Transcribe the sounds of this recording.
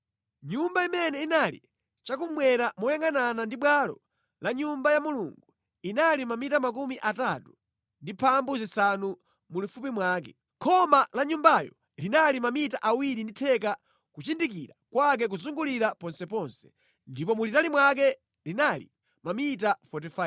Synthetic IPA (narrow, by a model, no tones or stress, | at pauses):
ɲumbaimɛnɛinalḭ | t͡ʃakum̩mwɛɾamɔjɛŋɡananandiɓwalɔ̰ | laɲumbajamuluŋɡu | inalimamitamak̬umiʔatatu | ndipʰambuzisanu | mulifupimwaːkɛ̰ | kʰɔmalaɲumbajɔ̰ | linalimamitaʔawiɾinditʰɛka | kut͡ʃindikiɾakwak̬ɛk̬uzuŋɡuliɾapɔnsɛpɔːnsɛ̥ | ndipɔmulitalimwak̬ɛ | linalḭ | mamit̬afɔt̬ifa